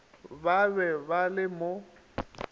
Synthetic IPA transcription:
babɛbalɪmo

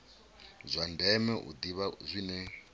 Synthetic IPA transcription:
zʷandɛmɛʔṵd̪iβazʷinɛ

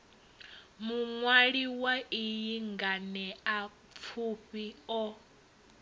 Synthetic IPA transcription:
muŋwaɺiwaijiŋɡanɛap̪fʰuɸiɔ

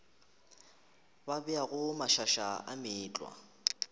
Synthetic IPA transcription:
babɛaɣʊmaʃaʃaa̰mɪːt͡ɬʼwa̰

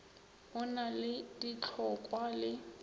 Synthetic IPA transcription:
ʊnalɪd̥it͡ɬʰɔkʼwalɪ

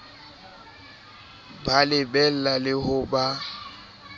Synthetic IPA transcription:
balɪbɛl̩lalɪhʊba

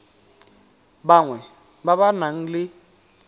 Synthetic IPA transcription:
baŋwɛ | baβanaŋ̩lɪ

